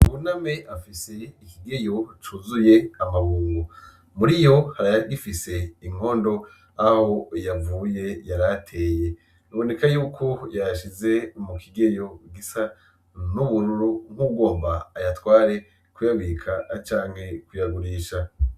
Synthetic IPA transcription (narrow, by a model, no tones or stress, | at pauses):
uβunameʔafise̞ikiɡe̞jo̞t͡ʃuzuje̞amaβuːŋɡo | muɾijo̞haɾaaɡifise̞iŋ̥o̞ːndo̞ | aho̞javuːje̞jaɾatʰe̞ːje̞ | niβo̞ne̞kajuːkʰo̞jaʃize̞umukʰiɡejo̞ɡisa | nuβuɾuɾuŋ̥huɡo̞ːmbaːjatwaːɾe̞ | kujaβikʰat͡ʃaːŋ̥he̞kujaɡuɾiːʃa